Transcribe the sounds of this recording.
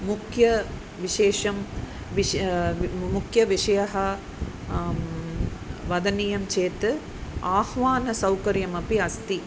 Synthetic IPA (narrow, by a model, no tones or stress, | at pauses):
mukʰjɐ | ʋiʂeːʂɐm | ʋi | mukʰjɐʋiʂɐjɐɦɐ | ʋɐd̪ɐniːjɐmt͡ʃeːt̪ɨ | aːhʋaːnɐsɐwkɐɾjɐmɐpiɐst̪i